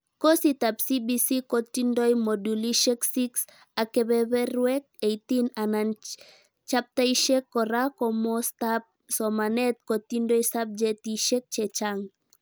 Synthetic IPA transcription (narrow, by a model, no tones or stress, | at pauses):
kɔsit̪apsibisikot̪indɔjmoduliʃɛksiks | akɛbɛβɛɾwɛk̚ejt̪inanan | t͡ʃap̚t̪aiʃɛkːɔɾakɔmɔst̪ap̚ | sɔmanɛt̪̚kɔt̪indɔjsab̚d͡ʒɛtiʃɛk̚t͡ʃɛt͡ʃaŋ